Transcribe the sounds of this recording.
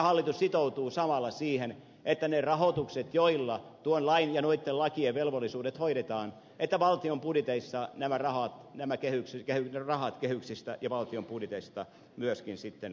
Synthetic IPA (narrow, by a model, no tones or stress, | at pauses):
hɑlːit̪ussit̪out̪uːsɑmɑlːɑsiːhen | et̪ːænerɑhot̪ukset̪joilːɑt̪uonlɑinjɑnoit̪ːelɑkieʋʋelʋolːisuːdet̪hoiɾet̪ɑːn | et̪ːæʋɑlt̪iompudit̪eisːɑnæmærɑhɑt̪næmækehyksikehyrɑhɑt̪kehyksist̪æjɑʋɑlt̪iompudit̪est̪ɑ | myøskinsit̪ːen